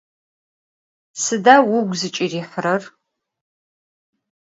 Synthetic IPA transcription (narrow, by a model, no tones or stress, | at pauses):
sɨdawʊɡʷzɨt͡ʃʼiriːħəɾɐr